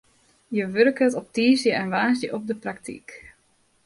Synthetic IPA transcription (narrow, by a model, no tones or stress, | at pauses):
jəʋørkətɔp̚tiːzjəɛnʋaːsjəʔɔp̚dəprak̚tḭk